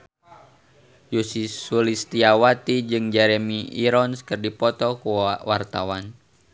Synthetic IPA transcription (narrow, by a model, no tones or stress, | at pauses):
jusisulist̪iawat̪id͡ʒɨŋd͡ʒɛɾemiḭɾɔnskərdipɔt̪ɔkuwart̪awan